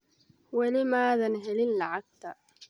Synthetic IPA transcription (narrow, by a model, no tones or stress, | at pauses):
wɐlɪmaːðɐnɦɛlɪnlɐʕaɡ̚t̪ʰɐ